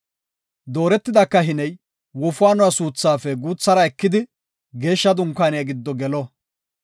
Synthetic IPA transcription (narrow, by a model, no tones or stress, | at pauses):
d̪o̞ːɾɛt̪ːɪd̪ɐkːɐɦɪnɛj | wɔfʊaːnʊwasuːt͡sːaːfɛɡuːt͡sːɐɾɐɛkːɪd̪ɪ | ɡe̞ːʃːɐd̪ʊŋkːaːnɛjɐɡɪd̪ːɔɡɛlɔ